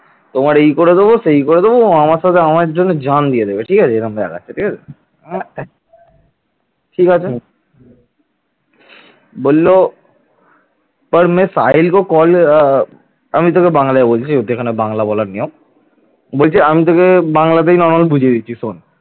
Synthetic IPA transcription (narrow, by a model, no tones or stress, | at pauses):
t̪omaɾeikoɾed̪eboseɦikoɾed̪eboamaɾʃat̪ʰeamaed͡ʒonːod͡ʑand̪ijed̪ebeʈʰiːkaeeɾamea̰ɡa̰e̥ʈʰiːkat͡ɕʰe | ʈʰikat͡ʃʰa | bolːo | pɐɾmẽsajlkokɔl | əmit̪̬okebãŋlaebolt͡ʃʰiod̪ekʰanebãŋlabɔlaɾniõ | bolt͡ʃʰiamit̪̬okebãŋlat̪̬einɔɾmalbud͡ʑʱied̪it͡ʃʰison